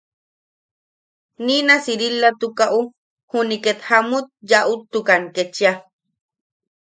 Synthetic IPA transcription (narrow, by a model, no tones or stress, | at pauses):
ninasiɾilːat̪ukaʔu | huniket̪hamut̪̚jaʔut̪ːukanket͡ʃia